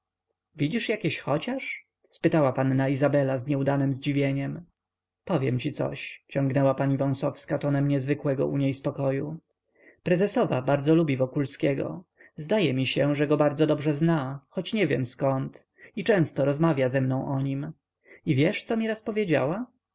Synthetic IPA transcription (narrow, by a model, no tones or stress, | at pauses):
vʲid͡ʑiʂjakʲeɕxɔt͡ɕaʂ | spɘt̪awapanːaizabɛlazɲɛud̪anɘmzd͡ʑivʲjeɲɛm | pɔvʲjɛmt͡ɕit̪sɔ̰ɕt͡ɕɔŋɡnɛwapaɲivɔ̃w̃sɔfskat̪ɔnɛmɲɛzvɘkwɛɡɔ̰ʔṵɲejspɔkɔju | pɾɛzɛsɔva̰baɾd̪zɔlubʲivɔkulskʲɛɡɔ̰ | zd̪ajɛmʲiɕɛʐɛɡɔbaɾd̪zɔd̪ɔbʐɛznaxɔt͡ɕɲɛvʲjɛmskɔnt̪ | it͡ʂɛ̃w̃st̪ɔɾɔzmavʲjazɛmnɔ̃w̃ʔɔɲim | ivʲjɛʂt̪sɔmʲiɾaspɔvʲjed͡ʑa̰wa